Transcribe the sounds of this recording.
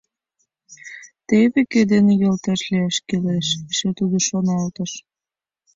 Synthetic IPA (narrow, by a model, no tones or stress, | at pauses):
t̪eβeked̪enejɤlt̪ɑʃliɑʃkeleʃʃet̪ud̪oʃonɑlt̪ə̆ʃ